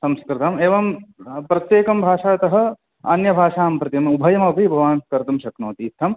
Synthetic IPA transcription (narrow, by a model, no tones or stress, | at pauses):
sɐmskɾɪt̪ɐmeːʋɐmpɾɐt̪jeːkɐmbʱaːʂaːt̪ɐɦɐ̆ | ɐ̰njɐbʱaːʂaːmpɾɐt̪imubʱɐjɐmɐɐbʱibʱɐʋaːnskɐɾt̪umʃɐknoːt̪iːt̪ʰːɐm